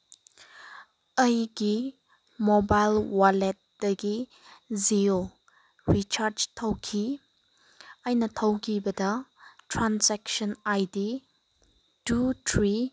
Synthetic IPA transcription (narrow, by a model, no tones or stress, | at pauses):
əjɡi | mobajlwalet̚d̥ɐɡi | zio | ɾit͡ʃaɾd͡ʒtʰɐwkʰi | ajnɐtʰɐwkʰibɐdɐtʰɾansɛkʃɔnajdi | dutʰɾi